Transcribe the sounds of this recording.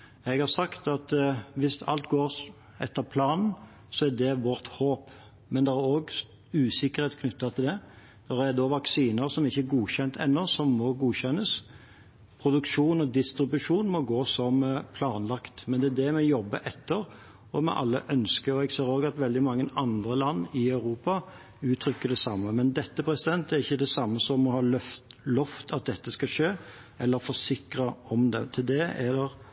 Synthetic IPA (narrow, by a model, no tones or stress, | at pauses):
ɛɡhɑɾsɑkt̪ɑt̪ʋɪsɑ̰lt̪ɡoːɾ | ɛ̰t̪ːəɾpʰlɑːnn̩ | sɔæd̪ɛʋɔʁt̪hoːp | mɛnd̪ɛɾæɾoːɡ | ʉːsɪkːəɾheːt̪kʰnʏt̪ːɑt̪ʰɪld̪ɛ | d̪̥ɛɾæɾd̪oʋɑksiːnəɾsɔmɪçːəɾɡuːçɛnt̪ʰɛ̰nːɔsɔmːɔɡuːçɛnːəs | pʰɾʊd̪ʉkʂuːnɔd̪ɪst̪ɾɪbʉʂuːnmɔɡoːsɔmpʰlɑːnlɑkt̪mɛnd̪ɛæd̪ɛmɛjɔbːə̰ʔɛt̪ːəɾ | ɔmɛ̰ʔɑ̰lːə̰ʔœnskəɔɛɡseːɾoːɡɑt̪ʋɛld̪ɪmɑŋːəʔɑnd̪ɾəlɑnːɪɑʉɾuːpɑ | ʉːt̪ʰɾʏkːəɖɛsɑmːəmɛnd̪ɛt̪ːəpʰɾɛsɪd̪ɛnt̪æɾɪçːəd̪ɛsɑmːəsɔmːɔhɑːlœft̪lɔft̪ʰɑt̪̚d̪ɛt̪ːəskɑʂeː | ɛlːəɾfɔsɪkɾəɔmd̪ɛ̰t̪ʰɪld̪ɛɛd̪ɛ